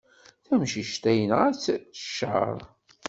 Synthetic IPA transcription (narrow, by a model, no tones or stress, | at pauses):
θæmʃiʃt̪æjənʁæt͡sːə̥ʃə̰ɾˤ